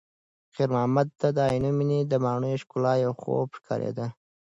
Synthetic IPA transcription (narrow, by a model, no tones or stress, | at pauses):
qiɾmɑːmad̪̚t̪ad̪əɑjnumined̪əmɑːɳujʃkʊlɑjawxo̰bʂkʰɑ̰ɾḛd̪a